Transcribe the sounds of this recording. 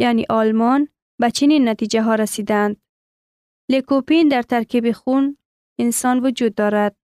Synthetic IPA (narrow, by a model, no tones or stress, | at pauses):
janḭʔɒlmɒn | bat͡ʃʰininːat̪id͡ʒaɦɒɾasid̪aːnd̪ | lekopind̪aɾt̪aɾkibixun | ɪnsɒnvʊd͡ʒud̪̚ːɒɾad̪̥̚